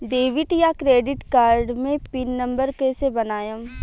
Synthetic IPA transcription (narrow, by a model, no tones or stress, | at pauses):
ɖ̪eːʋɪʈjakɾeːɖɪʈkaːɾɖmẽpɪnːɐ̃mbəɾkesebɐnaːjəm